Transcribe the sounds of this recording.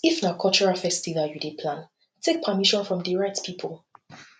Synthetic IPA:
ifnakʰɔlt͡ʃɔɹafɛstilajudipʰlãn | tʰek̚pʰəmiʃɔ̃nfɹɔ̃mdiɹɛk̚tpʰipʰəlˠ

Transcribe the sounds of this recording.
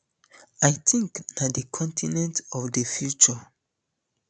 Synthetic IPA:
ajtʰĩŋknadəkʰɔ̃ntʰinɛ̃ntɔfdefjut͡ʃɔ

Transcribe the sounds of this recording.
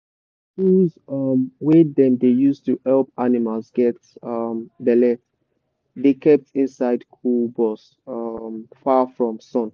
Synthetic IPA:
huzʌmwedɛ̃mdejustuhɛlˠpanimalˠzɡɛt | ʌmbɛlɛt | dekʰɛp̚tĩnsaɪdkʰulbɔs | ʌmfafɹɔ̃msɔ̃n

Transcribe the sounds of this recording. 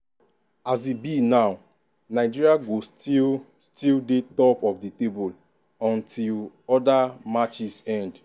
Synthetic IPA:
azibinaʊ | naɪd͡ʒiɹiaɡostilstildetɔpɔfditebul | ɔ̃ntʰil | ɔdamat͡ʃisɛ̃nd

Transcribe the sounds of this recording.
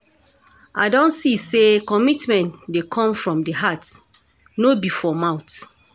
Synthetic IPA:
ʔa̰ɪdɔ̃nsisekɔmitmɛ̃ntdekʰɔ̃mfɹɔ̃mdeɦat | nobifɔmãʊt

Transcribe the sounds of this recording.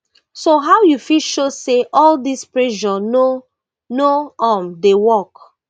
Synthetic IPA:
soɦaʊjufiʃoseʔɔldispɹɛʃɔno | noɔmdewɔk

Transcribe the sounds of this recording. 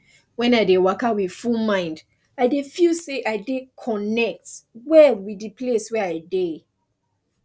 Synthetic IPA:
wɛ̃naɪdewakawid̥fulmãɪ̃nd | aɪdefilseʔaɪdekʰɔnɛk̚twɛlwidipleswɛaɪde

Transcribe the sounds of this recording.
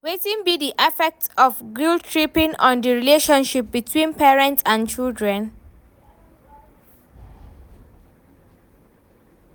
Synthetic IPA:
wetĩnbidiʔɛfɛk̚tɔfɡultʰɹipĩŋɔ̰̃ndəɹileʃɔ̃nʃip̚bitʰwĩnpʰɛɹɛ̃ntsãnt͡ʃildɹɛ̃n

